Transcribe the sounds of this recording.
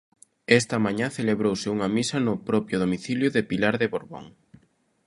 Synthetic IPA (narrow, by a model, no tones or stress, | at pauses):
ɛst̪ɐmaɲaθeleβɾowsɪuŋɐmisɐnʊpɾɔpjʊðomiθiljʊðepilaɾðɪβoɾβo̰ŋ